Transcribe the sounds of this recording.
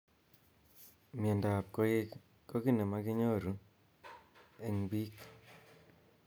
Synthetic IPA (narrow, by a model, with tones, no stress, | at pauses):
mje˨nda˨p̚ko˦e˦ | kːo˦ki˦˨ne˨ma˦ki˦ɲo˦˨ɾu˦ | e˦˨ŋbi˦k